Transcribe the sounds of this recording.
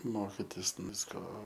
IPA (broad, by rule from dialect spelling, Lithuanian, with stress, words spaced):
ˈmoːkʲɪtʲɪs ˈʋʲɪskoː